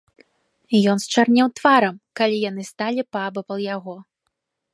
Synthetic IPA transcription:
jɔnst͡ʂarnʲɛwt̪vaɾɐmkalʲijan̪ɨst̪alʲipabɨpɐlˠjaɣɔ

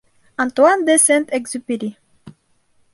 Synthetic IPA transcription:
ãnt̪wand̪esɛnt̪ɛkzypiɾi

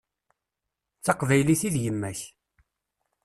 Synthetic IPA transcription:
t͡sːɑqvæjliθiðjəmːæç

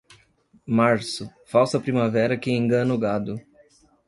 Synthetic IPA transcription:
maɾsʊfawsɐpɾimavɛɾɐkẽẽŋɡɐ̃nʊɡad̪ʊ

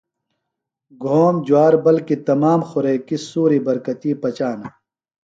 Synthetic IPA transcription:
ɡʱoːmd͡ʑuaːɾbɐlkit̪ɐmaːmxʊɾeːkisuːɾibɐɾkɐt̪iːpɐt͡ɕaːna

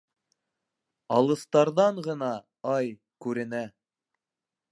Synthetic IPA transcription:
ɑlˠɤ̆st̪ɑɾðɑɴʁɤ̆nɑ | ɑj | kʉɾɘ̆næ

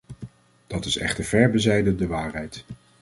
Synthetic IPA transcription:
d̥ɑtɪsɛ̰χtəɹv̥ɛɹbəzɛjdəndəʋaːɹɦɛjt

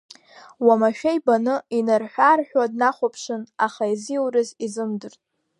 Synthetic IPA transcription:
wamaʃᶣajbanɨinɨrħʷᶣarħʷᶣwadnaχʷapʰʂɨnaχaiziwrɨzizɨmdɨrtʼ

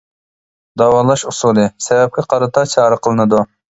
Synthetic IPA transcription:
d̪ɑwɑːlˠɑʃusulˠɨsɛvɛp̚kʲɛqʰɑɾɨt̪ʰɑt͡ʃʰɑːɾəqʰəlˠɨnɨd̪u

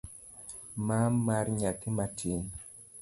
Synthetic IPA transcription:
mamaɾɲakimatʰin

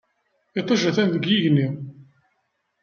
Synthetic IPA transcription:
ɪt̪ˤːɑʒæθænðəɡjiʝnːi

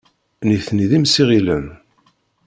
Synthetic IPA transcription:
niθniðimsiʁilən

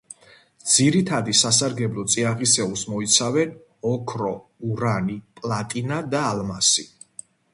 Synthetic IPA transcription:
d̪z̥iɾit̪ʰad̪isasaɾɡɛblˠɔt̪sʼiaʁisɛusmɔit̪sʰavɛn | ɔkʰɾɔuɾanipʼlˠat̪ʼinad̪aːlˠmasi

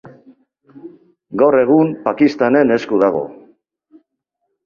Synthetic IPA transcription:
ɡawre̞ɣ̞umpakist̪ane̞ne̞skuðaɣ̞o̞̰

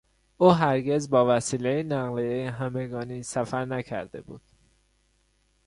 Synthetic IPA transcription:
uːɦæɾɟe̞zbɒːvæsiːle̞jenæɣlejejeɦæme̞ɡɒːniːsæfæɾnæcʰæ̰ɾd̪e̞̰bṵːd̪̥

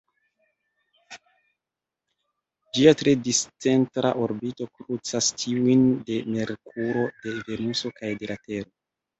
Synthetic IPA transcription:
d͡ʒiatɾe̞dist͡se̞ntɾa̰ʔoɾbito̞kɾut͡sastʰiujnde̞me̞ɾkʰuɾo̞de̞ve̞nuso̞kajde̞late̞ɾo

